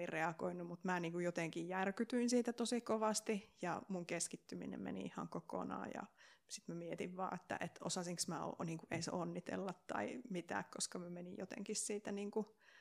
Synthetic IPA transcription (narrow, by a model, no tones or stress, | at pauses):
irreɑko̰inːumut̪mæːniːŋkujjot̪eŋkijjærkyt̪yinsiːt̪æt̪osikoʋɑst̪ijɑmuŋkeskit̪ːymḭnḛmmḛnḭihɑ̰ŋkoko̰nɑ̰ːjɑ̰sit̪mæmiet̪iʋʋɑ̰ːet̪ːæ̰ʔet̪o̰sɑsiŋksmæo̰niːŋkuʔeiseonːit̪ḛlːɑt̪t̪ɑ̰imit̪æ̰ːkkoskɑmæmenijot̪ḛŋkissiːt̪æniːŋku